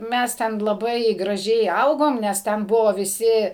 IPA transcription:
ˈmʲɛs tʲɛn lˠɐˈbɐɪ ɡrɐˈʒʲɛɪ ˈɐʊɡoːm nʲɛs ˈtʲɛn ˈbʊʋoː ʋʲɪˈsʲɪ

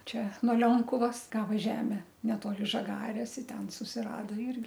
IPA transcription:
ˈt͡ʃʲɛ nuɔ ˈlʲoːŋkʊʋɐs ˈɡɑːʋɐ ˈʒʲæːmʲɛ nʲɛˈtoːlʲɪ ʒɐˈɡɑːrʲeːs ɪ ˈtʲɛn sʊsʲɪrɐdoː ˈɪrʲɡʲɪ

